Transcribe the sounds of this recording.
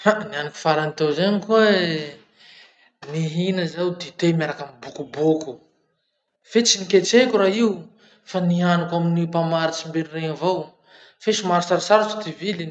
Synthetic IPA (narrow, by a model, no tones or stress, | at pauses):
anianuku̥faɾanit̪ewzaɲikuə | niɦinəzawd̪it̪emaɾakambukubuku | fet͡siniket͡ʃekʲuɾaiw | fanianukaminipamaɾit͡ʃimbeɾireɲavow | feʃumaɾsaɾisaɾat̪u̥t̪ivilin